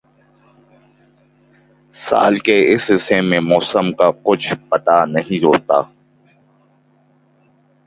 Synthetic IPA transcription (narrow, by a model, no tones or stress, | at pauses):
sa̰ːlkeɪsɦɪsemẽmɔːsəmkakʊt͡ʃʰpɐt̪anɐɦĩɾoːt̪a̰ː